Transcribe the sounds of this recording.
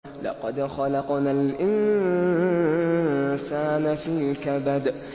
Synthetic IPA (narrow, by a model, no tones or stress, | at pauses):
lɑ̰qɑd̪xɑlɑqnaːlʔɪn | saːnafiːkabad̪